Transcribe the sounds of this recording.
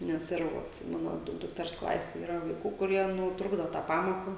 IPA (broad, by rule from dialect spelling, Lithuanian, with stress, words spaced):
nʲɛs ˈɪr ʋoːt ˈmɑːnoː ˈdʊk dʊkˈtʲɛrs ˈklˠɑːsʲeːj ˈiːrɐ ʋɐɪˈkuː kʊˈrʲiɛ ˈnʊ ˈtrʊɡdoː ˈtɑː ˈpɑːmoːkɑː